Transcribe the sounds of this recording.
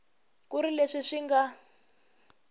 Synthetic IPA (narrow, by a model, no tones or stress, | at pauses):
kuɾileʂiʂiŋɡa